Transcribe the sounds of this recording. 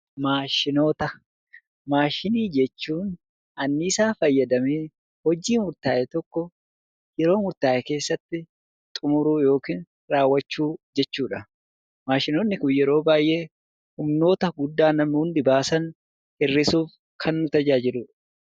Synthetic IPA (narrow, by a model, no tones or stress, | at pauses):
maːʃɪno̞ːt̪ɐ | maːʃɪniːd͡ʒɛt͡ʃːuːn | ɐnːɪːsaːfɐjːɐd̪ɐmeː | hɔd͡ʒiːmʊɾt̪aːʔɛt̪ɔkːɔ | jɛɾo̞ːmʊɾt̪aːʔɛke̞ːsːɐt̪ːɪ | t̪ʼʊmʊɾuːjo̞ːkiːn | ɾaːwːɐt͡ʃːuːd͡ʒɛt͡ʃːuːᶑɐ | maːʃɪnoːnːɪkʊnjɛɾo̞ːbaːjʔe̞ː | hʊmno̞ːt̪ɐɡʊd̪ːaːnɐmːhʊnd̪ɪbaːsɐn | hɪrːɪsuːf | kʰɐnːʊt̪ɐd͡ʒaːd͡ʒɪluːᶑɐ̥